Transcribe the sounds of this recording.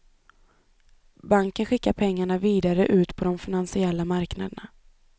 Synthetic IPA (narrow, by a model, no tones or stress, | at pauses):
baŋkənɧɪkːaɾpʰɛŋːaɳaviːd̪aɾəʔʉ̟ːt̪pʰɔd̪ɔmfɪnansɪɛlːamaɾkna̰d̪əɳa